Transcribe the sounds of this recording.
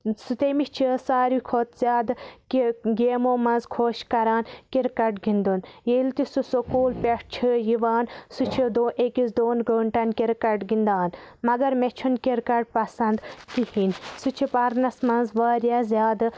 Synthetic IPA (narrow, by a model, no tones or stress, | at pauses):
sut̪emit͡ʃʰisaːɾikʰot̪z̥ʲjaːd̪kiɡeːmoːmɐnzkʰoːʃkɐɾaːnkiɾkɐʈɡind̪unjelt̪isusokuːlpʲeʂt͡ʃʰijiʋaːnsut͡ʃʰid̪oːʔekizd̪oːnɡoːɳʈɐnkiɾkɐɖɡind̪aːnmɐɡɐɾmet͡ʃʰunkiɾkɐɖ̚pɐsɐnd̪t̪ihinʲsut͡ʃʰipɐɾnɐsmɐnzʋaːɾjazʲjaːd̪